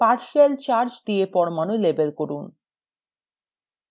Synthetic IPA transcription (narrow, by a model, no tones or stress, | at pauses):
paɾʃalt͡ɕaɾd͡ʑd̪iepɔɾmanujlebelkoɾun